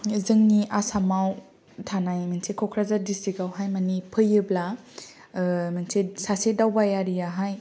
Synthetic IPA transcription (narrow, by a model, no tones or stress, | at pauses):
zɯŋniʔasamaw | tʰanajmansekʰɔkʰɾazadisiɡawɦajmanipʰɯjɯbla | mansesasedawbajaɾijaɦaj